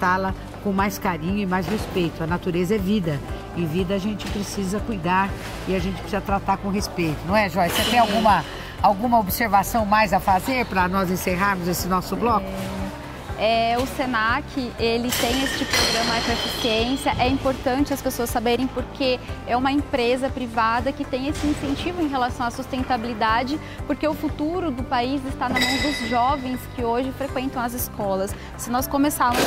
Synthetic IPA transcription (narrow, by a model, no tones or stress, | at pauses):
t̪alɐ | kõmajskaɾĩɲʊɪmajshespejt̪ʊɐnat̪uɾezɐɛvid̪ɐ | ɪ̃vid̪ɐaʒẽnt͡ʃɪpɾesizɐkujd̪aɾ | ɪaʒẽnt͡ʃɪ̥pɾɪsizɐt̪ɾat̪aɾkõɦespejt̪ʊnɐ̃w̃ɛʒɔset̪ẽj̃awɡũmɐ | awɡũmɐobseɾvasɐ̃w̃majzɐfazeɾpɾɐnɔzẽseɦaɾmʊzesɪnɔsʊblɔkʊ | ɛʊsenakʰɪʔelɪt̪ẽj̃est͡ʃɪpɾoɡɾɐ̃mɐɛsɾɐsisiẽsjɐʔɛĩpoɾt̪ɐ̃nt͡ʃɪɐspesoɐsːabeɾẽj̃poɾkʰeɛũmɐẽpɾezɐpɾivad̪ɐkɪt̪ẽj̃esɪĩsẽnt͡ʃivʊẽj̃ɦelasɐ̃w̃asust̪ẽnt̪abilid̪ad͡ʒɪ | poɾkeʊfut̪uɾʊd̪ʊpaizɪst̪anɐmɐ̃w̃d̪ʊzʒɔvẽj̃skɪoʒɪfɾekwẽnt̪ɐ̃w̃ɐzɪskɔlɐsː | ɪnɔskomesaɾmʊ